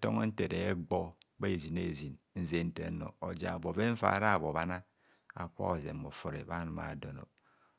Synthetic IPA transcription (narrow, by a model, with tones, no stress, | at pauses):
to˦ŋ˦n̩˦te˨ɾe˨e˦ɡ͡bo˦be˦˨zi˨ne˦˨zi˨nn̩˨ze˨n̩˦tḛ˨˦no̰˨o˨d͡ʒa̰˨bo˨ve˦ɱ̩˦fa̰˨ɾa˦˨βo˨ba˦na˦ | a̰˨kʷa̰˦o˨zḛ˨mo˨fo˨ɾḛ˨ba˦n˨ma̰˨do˨no̰˨